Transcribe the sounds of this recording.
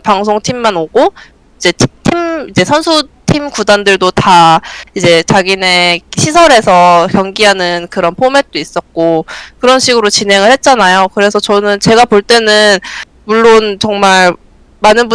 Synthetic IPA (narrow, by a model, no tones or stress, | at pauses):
paŋs̬ʰoŋtʰimːanoɡo | id͡ʑe̞tʰitʰimid͡ʑe̞sʰʌnsʰutʰimkudandɯɭdotaid͡ʑe̞t͡ɕaɡine̞ɕʰisʰʌɾe̞sʰʌkjʌŋɡiɦanɯnkɯɾʌnpʰome̞t̚t͈ois͈ʌt̚k͈okɯɾʌnɕʰiɡɯɾot͡ɕinɦe̞ŋɯɭhe̞t̚t͡ɕ͈anajokɯɾe̞sʰʌt͡ɕʌnɯnt͡ɕe̞ɡapoɭt͈e̞nɯn | muɭːont͡ɕʌŋmaɭ | manɯnbu